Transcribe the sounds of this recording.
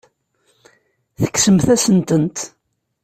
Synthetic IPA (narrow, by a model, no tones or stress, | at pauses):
θə̥kːsəmθæsənt̪ənt̪